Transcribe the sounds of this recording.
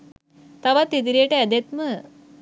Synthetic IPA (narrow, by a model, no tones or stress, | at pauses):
t̪aʋat̪ːit̪̬iɾijeʈəɛd̪et̪mə